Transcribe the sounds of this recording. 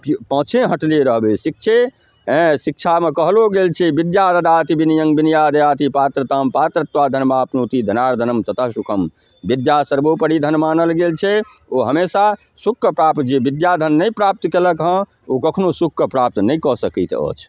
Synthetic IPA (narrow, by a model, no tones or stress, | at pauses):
pə̃t͡ʃʰẽɦəʈliɾəɦbesik̚t͡ʃʰe | ɦẽsik̚t͡ʃʰamekəɦloɡelt͡ʃʰɛbid̪jad̪əd̪at̪ibinijəŋɡbinijad̪əjat̪ipat̪ɾət̪ampat̪ɾət̪ʋad̪ʱənmapnut̪id̪ʱənaɾd̪ʱənəmt̪ət̪ʰəɦsukʰəm | bid̪jasəɾbopəɽid̪ʱənmaːnəlɡelt͡ʃʰɛ | oɦəmesa | sukːəpɾap̚t̪d͡ʒebid̪jad̪ʱənːəjpɾap̚t̪keləkɦə̃ | okəkʰnosukʰːəpɾap̚t̪nəjkɔsəkɛt̪ə̰t͡ʃʰ